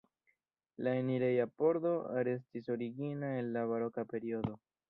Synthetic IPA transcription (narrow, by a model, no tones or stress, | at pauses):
laeniɾe̞japo̞ɾdo̞ɾe̞s̬tiso̞ɾiɡinae̞nlavaɾo̞kape̞ɾio̞do̞